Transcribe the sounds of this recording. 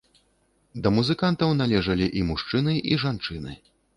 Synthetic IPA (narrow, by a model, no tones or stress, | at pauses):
d̪ɐmuzɨkant̪ɐwnalʲɛʐɐlʲiʔimuʂt͡ʂɨnɨʔiʐant͡ʂɨnɨ̰